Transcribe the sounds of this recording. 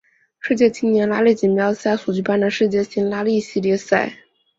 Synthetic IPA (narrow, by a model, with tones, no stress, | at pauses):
ʂɻ̩˥˧t͡ɕjɛ˥˩t͡ɕi˥nnjɛ˧˥nla˥li˥˩t͡ɕi˨˩nmjɑ˧˥ʊɕja˥˩su˨˩t͡ɕy˥˩pa˥nd̪ə˨˩ʂɻ̩˥˧t͡ɕjɛ˥˩ɕi˥nla˥li˥˩ɕi˥˧ljɛ˥˧sa˥˩ɪ